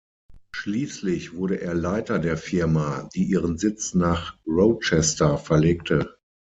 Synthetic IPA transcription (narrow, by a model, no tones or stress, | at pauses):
ʃliːslɪçv̥ʊɐɾəʔeːɐlaɪtɐdeːɐfɪɐmadiːʔiːʁənzɪt͡snaːχʁot͡ʃɛstɐfɛɐleːk̚tʰə